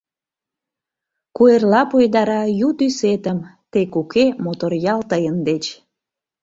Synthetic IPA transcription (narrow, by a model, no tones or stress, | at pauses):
kuerlɑpojd̪ɑɾɑjut̪yset̪əmt̪ekukemot̪orjɑlt̪əjənd̪et͡ɕ